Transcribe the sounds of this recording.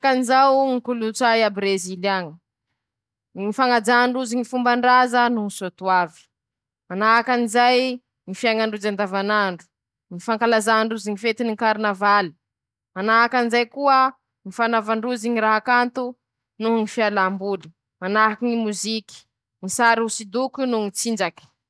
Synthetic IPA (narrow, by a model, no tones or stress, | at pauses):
kanizawŋikulut͡sajabɾezilaŋə | nifaŋad͡zaɳɖ͡ʐuziŋifumbaɳɖ͡ʐazənunisot̪uavi̥ | manaakanizaj | ŋifiaŋaɳɖ͡ʐud͡ʒand̪avanaɳɖ͡ʐu̥ | ŋifaŋkalazaɳɖ͡ʐuziŋifet̪iniŋkaɾnavali̥ | manaakanizajkuə | ŋifanavaɳɖ͡ʐuziɲiɾaɦakant̪u | nuɦŋifialambuli̥ | manakiŋimuziki̥ | ŋisaɾusid̪ukunuŋit͡sind͡ʒaki̥